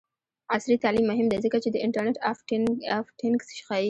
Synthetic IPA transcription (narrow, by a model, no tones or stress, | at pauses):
asɾit̪alimːʊɦɪmd̪ezəkat͡ʃed̪əʔɪɳʈəɾneʈaffʈʰɪŋksʃxɑi